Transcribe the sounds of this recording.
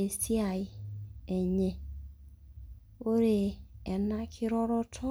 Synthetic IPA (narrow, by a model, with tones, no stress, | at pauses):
e˨si˦a˨ɪ˦ɛ˨ɲɛ˦˨ | o˦ɾe˨ɛ˨na˦kʰɪ˦ɾɔ˦ɾɔ˦tʰɔ˦